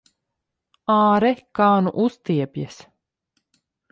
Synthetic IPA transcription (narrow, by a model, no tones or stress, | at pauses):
aːɾɛkaːnṵʔust̪iɛpʲjɛs